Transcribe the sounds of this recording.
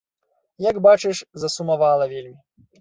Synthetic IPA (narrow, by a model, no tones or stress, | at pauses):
jaɡbat͡ʂɨʂzɐsumavalˠɐvʲelʲmʲi